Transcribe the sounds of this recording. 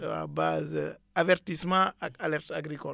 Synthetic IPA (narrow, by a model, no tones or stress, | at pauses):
a̰bazə | avɛɾt̪ismãaalɛɾt̪aɡɾikɔ